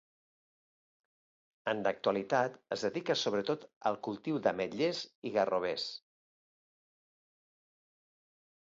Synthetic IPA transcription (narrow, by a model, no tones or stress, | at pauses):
ənd̪ək̚t̪uəlit̪at̪əzðəðikəsoβɾət̪ot̪ə̰lˠkulˠt̪iwðəməʎeziɣəroβ̞es